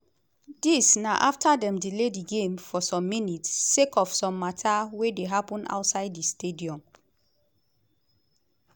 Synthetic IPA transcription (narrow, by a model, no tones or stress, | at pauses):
disnaʔaftʰadɛ̃mdilediɡẽmfɔsɔ̃mːinitːekɔfsɔ̃mːatʰawedeɦapɔ̃na̰wtsaɪdistediɔ̃m